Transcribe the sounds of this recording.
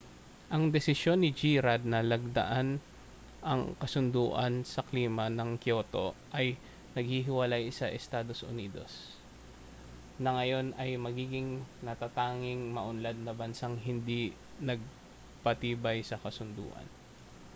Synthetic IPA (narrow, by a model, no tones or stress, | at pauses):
ʔɐŋd̪ɛsɪsjo̞nːɪd͡ʒiːɾad̪̚nɐlɐɡ̚d̪ɐ̰ʔan | ʔɐ̰ŋkɐsʊnd̪uːʔɐnsɐkliːmɐnɐŋkjo̞ːt̪o̞ʔɐj | nɐɡ̚hiɦɪwɐlajsɐʔɛst̪aːd̪o̞sʔʊ̰niːd̪o̞̰s | nɐŋɐjo̞nɐjmɐɡiːɡɪŋnɐt̪at̪aːŋɪŋmɐʔʊnlad̪̚nɐbɐnsaŋɦɪnd̪i | nɐɡ̚ | pɐt̪iːbɐjsɐkɐsʊnd̪ṵːʔɐ̰n